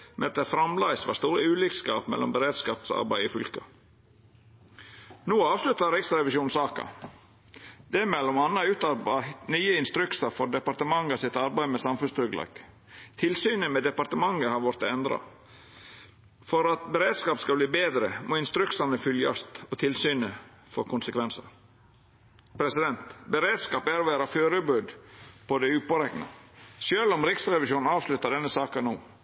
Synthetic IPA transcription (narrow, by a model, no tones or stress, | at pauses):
mʔɛɑt̪ɛfɾɑmlɑɪsʋɑ̰st̪uːɾəʉːlikskɑːpmɛ̰lɔ̰mbəɾeːd̪skɑːpsɑ̰ɾbæɪɪfʏlkə | noːɑːʋslʉt̪ɑɾɪkst̪ɑɾɛʋɪʃjuːnsɑːkɑ̰ | d̪̥ɛmɛlːɔmɑnːɑʉːt̪ɑɾbɑnyːəɪnst̪ɾʉksɑɾfɔɾd̪ɛpɑɾt̪əmɑŋːɑsɪt̪ɑɾbæɪmɛsɑmfʉnst̪ʰɾʉɡlɑ̰ːɡ̥ | t̪ʰɪlsyːnəmɛːd̪ɛpɑɾt̪əmɑŋːəhɑɾʋɔɾt̪əɛnd̪ɾɑ̰ | fɔɾɑt̪bəɾeːd̪skɑːpskɑbliːbeːd̪ɾəmoɪnst̪ɾʉksɑnəfʏljɑ̰st̪ɔt̪ʰɪlsyːnə | fɔɾkʰʊnsəkʰʋɛnsə̰ɾ | pʰɾɛsɪd̪ɛnt̪bəɾeːd̪skɑːpæɾʋæːɾɑføːɾəbʉːd̪pʰɔd̪ɛʉːpɔɾɛknɑ̰ʃøːlɔmɾɪksɾɛʋɪʃuːnɑːʋslʉt̪ːɑd̪ɛnːəsɑːkɑnuː